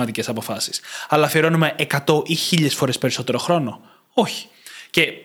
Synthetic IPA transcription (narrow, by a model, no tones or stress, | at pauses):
ɐt̪ice̞sɐpo̞fɐsi̥sɐlɐfieɾo̞nume̞ʔekɐt̪o̞ʔiçiʎesfo̞ɾe̞spe̞ɾiso̞t̪e̞ɾo̞xɾo̞no̞ | o̞çi̥ | ce̞